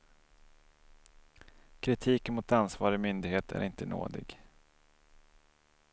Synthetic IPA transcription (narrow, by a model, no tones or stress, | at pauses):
kʰɾɪt̪ʰiːkənmʊt̪ansvɑːɾɔmʏnd̪ɪɡheːt̪ʰæ̰ɾɪnt̪əno̰ːd̪ɪ̰ɡ